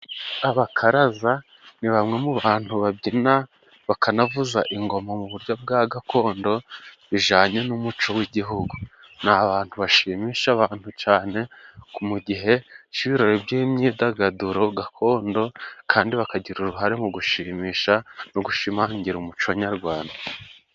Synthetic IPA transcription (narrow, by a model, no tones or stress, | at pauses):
aβakʰaɾaza | niβamŋe̞muβaːn̥huβabɟina | βakanavuzaʔiŋɡo̞mamuβuɾjob̚ɡaːɡakʰo̞ːndo̞βiʒaːɲe̞numut͡ʃo̞wiɟiɦuɡu | naβaːn̥huβaʃimiːʃaβaːn̥hut͡ʃaːne̞kumuɟiɦe̞t͡ʃiβiɾo̞ɾebjiːɲɲidaɡaduɾo̞ɡakʰo̞ːndo̞kʰaːndiβakaɟiɾuɾuɦaɾemuɡuʃimiːʃanoɡuʃimaɲɟiɾumut͡ʃoɲaɾɡwaːnda